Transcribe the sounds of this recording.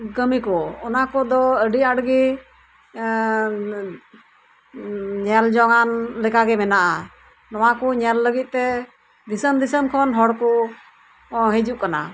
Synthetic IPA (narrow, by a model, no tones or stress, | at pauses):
ɡəmikɔɔnakɔd̪ɔəɖiaɽɡi | ɲɛld͡ʒɔŋanlɛkaɡɛmɛnaʔa | nɔwakɔɲɛlːəɡit̪̚ˀt̪ɛ | d̪isənd̪isənkʰɔnɦɔɽkɔ | ɦɛd͡ʒuʔkana̰